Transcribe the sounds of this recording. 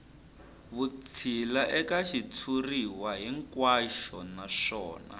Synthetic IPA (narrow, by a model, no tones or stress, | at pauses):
βut͡sʰilaʔɛkaʃitʰuriwaɦiŋkwaʃɔnaʂɔːna̰